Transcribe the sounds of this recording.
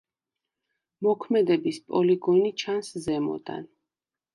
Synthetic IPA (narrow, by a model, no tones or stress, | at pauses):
mɔkʰmɛd̪ɛbispʼɔliɡɔnit͡ʃʰanszɛmɔ̰d̪a̰n